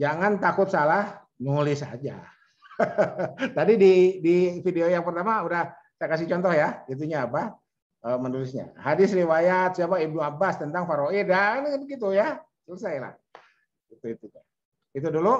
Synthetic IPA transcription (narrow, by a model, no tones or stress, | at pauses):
d͡ʒaŋant̪akʊt̪salah | nulɪsa̰d͡ʒa̰ | t̪adididifideojaŋpərt̪amaudah | sajakas̬ɪht͡ʃɔnt̪ɔhjaɡit̪̬uɲaːpa | əmənulɪsɲa̰hadɪsriwajat̪̚siapaib̚nuabast̪ənt̪aŋfaɾoidanɡit̪uja | sələsajla̰h | ɡit̪uit̪ua | it̪̬udulu